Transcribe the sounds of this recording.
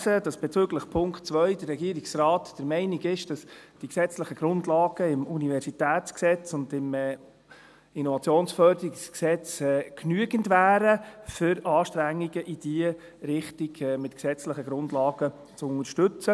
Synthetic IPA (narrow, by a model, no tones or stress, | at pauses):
səd̥ɑsb̥ɛt͡sʏːɡləχpʰʊŋktt͡svœʏd̥ərɛɡiːəɾiksraːtd̥əɾmɛɪnɪɡɪʃd̥ɑsd̥iksɛt͡sləχəɡ̥ɾʊndlɑːɡ̥əɪmunivɛɾsitæːt͡sksɛt͡sʊndɪmɛː | inɔvɑt͡sjoːnsfœɾd̥əɾiksksɛt͡sɛːknyəɡəndvæːɾəfʏɾɑːʃtɾæŋːiɡəʔid̥iə | ɾɪχtiɡɛmɪtksɛt͡sləχəɡɾʊndlɑːɡ̥ə | t͡sʊnəɾʃtʏt͡sə